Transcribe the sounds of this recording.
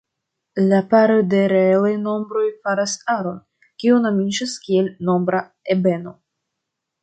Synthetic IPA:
lapaɾode̞ɾeelajno̞mbɾo̞jfaɾasaɾo̞n | kʲionomid͡ʒaskielno̞mbɾa | ebe̞no̞

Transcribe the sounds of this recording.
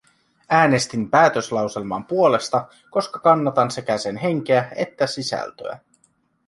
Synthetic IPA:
æːne̞st̪impæːt̪ø̞slɑwse̞lmɑ̰mpuo̞le̞st̪ɑ | ko̞skɑkɑnːɑt̪ɑnse̞kæse̞nɦe̞ŋk̟eæe̞t̪ːæsisæ̰lt̪ø̰æ̰

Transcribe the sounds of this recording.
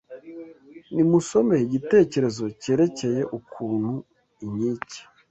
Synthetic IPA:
nimuso̞me̞iɟite̞ːce̞ɾe̞zo̞ce̞ːɾe̞ce̞je̞ʔukʰuːn̥hu | iɲiːci̥

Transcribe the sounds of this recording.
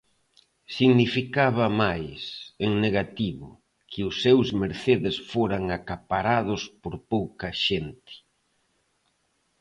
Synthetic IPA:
siɣnifikaβɐmajseŋneɣat̪iβʊ̰ | kʰɪʊsːewzmeɾθeðɪsfoɾaŋakapaɾað̞ʊspoɾpowkɐʃent̪ɪ̥

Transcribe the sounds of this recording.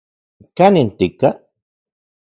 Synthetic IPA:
kanint̪ika

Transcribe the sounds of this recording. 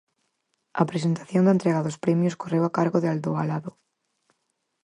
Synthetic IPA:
ɐ̰pɾesent̪ḁθjond̪aent̪ɾeɣaðospɾemjoskorewakaɾɣoðeald̪oalaðo

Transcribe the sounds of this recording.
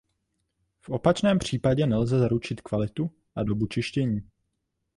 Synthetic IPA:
fʔo̞pat͡ʃnɛːmpr̝̥iːpaɟɛnɛlzɛzaɾut͡ʃɪt̪kvalɪt̪u | ʔado̞but͡ʃɪʃcɛɲiː

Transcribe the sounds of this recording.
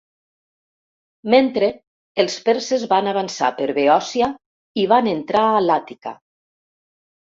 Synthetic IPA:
ment̪ɾeː | lˠspeɾsezβanaβansa̰pəɾβeɔsia | iβanent̪ɾaːlat̪ika̰

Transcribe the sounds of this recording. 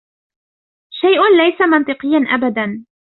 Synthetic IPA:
ʃajʔʊnlajsamɑnt̪ɨqɨjːanʔabad̪an

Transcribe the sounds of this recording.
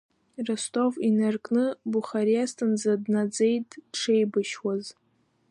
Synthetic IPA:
rastʼo̞vinarkʼnɨbuχaɾijastʰɨnd͡zadnad͡zejtʼʈ͡ʂʰe̞jbɨʃwaz

